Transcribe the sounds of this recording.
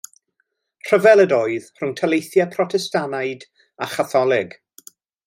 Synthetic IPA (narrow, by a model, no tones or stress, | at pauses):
r̥əvɛlˠədoːɨðr̥ʊŋtʰəlejθjɛpʰrɔtʰɛstanajd | aχaθɔlˠɪɡ̥